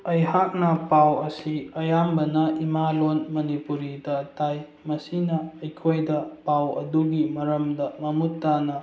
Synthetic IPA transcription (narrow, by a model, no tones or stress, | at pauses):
ɐjhak̚nɐpawɐsiɐjambɐnɐʔimalonmɐnipuɾidɐtaj | mɐsinɐɐjkʰojdɐpawɐ̰duɡimɐɾɐmdɐmɐmutːanɐ